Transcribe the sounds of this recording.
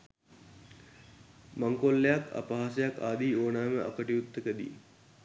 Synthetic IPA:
maŋkolːejaka̰paɦas̬ejakaːd̪iːoːnaːməʔa̰kəʈiut̪ːəkəd̪ḭː

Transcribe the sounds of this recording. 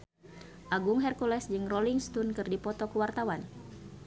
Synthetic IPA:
ʔaɡuŋɦɛrkulɛsd͡ʒɨŋroliŋst̪unkɨrdipɔt̪ɔkəwart̪awan

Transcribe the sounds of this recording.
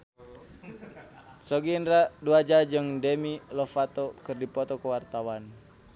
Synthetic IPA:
sɔɡindɾaduad͡ʒad͡ʒɨŋdɛmilɔfat̪ɔkɨrdipɔt̪ɔkəwart̪awan

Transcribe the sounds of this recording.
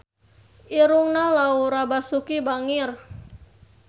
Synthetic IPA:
ʔiɾuŋnalauɾabasukibaŋɪr

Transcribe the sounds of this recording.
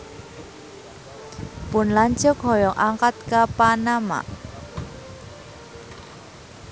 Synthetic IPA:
pʊnlaɲt͡ʃʊk̚ɦɔjɔŋʔaŋkat̪̚kapanama̰ʔ

